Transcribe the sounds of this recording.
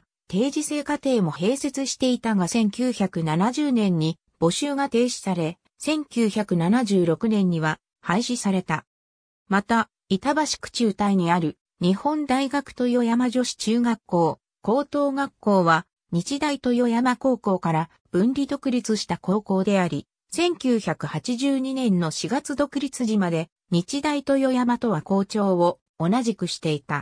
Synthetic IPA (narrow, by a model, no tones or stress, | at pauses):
t̪e̞ːʑise̞ːkat̪e̞ːmo̞he̞ːse̞t͡sɨɕi̥t̪e̞it̪aɡasẽ̞ŋkʲɨːçakɯ̟nanaʑɨːnẽ̞ɲ̟ːi | b̥o̞ɕɨːɡat̪e̞ːɕi̥saɾe̞ | sẽ̞ŋkʲɨːçakɯ̟nanaʑɨːɾo̞kɯ̟nẽ̞ɲ̟ːiβa | haiɕisaɾe̞t̪a | mat̪a | it̪abaɕi̥kɯ̟̥t͡ɕɨːt̪aiɲ̟iaɾɯ̟ | ɲ̟ihõ̞nd̪aiɡakɯ̟̥t̪o̞jo̞jamaʑo̞ɕi̥t͡ɕɨːɡakːo̞ː | ko̞ːt̪o̞ːɡakːo̞ːβa | ɲ̟it͡ɕid̪ait̪o̞jo̞jamako̞ːko̞ːkaɾa | b̥ɯ̟̃nɾʲid̪o̞kɯ̟ɾʲit͡sɨɕi̥t̪ako̞ːko̞ːd̪e̞aɾʲi | sẽ̞ŋkʲɨːçakɯ̟hat͡ɕiʑɨːɲ̟inẽ̞nːo̞ɕiɡat͡sɨd̪o̞kɯ̟ɾʲit͡sɨʑimad̪e̞ | ɲ̟it͡ɕid̪ait̪o̞jo̞jamat̪o̞βako̞ːt͡ɕo̞ːo̞ː | naʑikɯ̟ɕi̥t̪e̞it̪a